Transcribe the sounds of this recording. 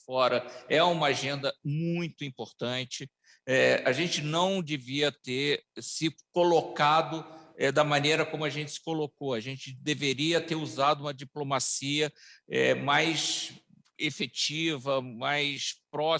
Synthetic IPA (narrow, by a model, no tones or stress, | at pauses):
fɔɾɐɛũmɐaʒẽnd̪ɐmũj̃t̪ʊĩpoɾt̪ɐ̃nt͡ʃɪ | ɛaʒẽnt͡ʃɪnɐ̃w̃d͡ʒeviɐt̪eɾsɪkolokad̪ʊɛd̪ɐmɐ̃nejɾɐkõmʊɐʒẽnt͡ʃɪ̥sɪ̥kolokoɐʒẽnt͡ʃɪd̪eveɾiɐt̪eɾuzad̪ʊũmɐd͡ʒiplomasiɐɛ̰majs | efet͡ʃivɐmajspɾɔ